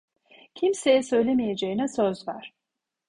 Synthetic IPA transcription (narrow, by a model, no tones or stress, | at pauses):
cʰimse̞jɛsø̞jlʲemije̞d͡ʒejinɛsøzvæɾ̥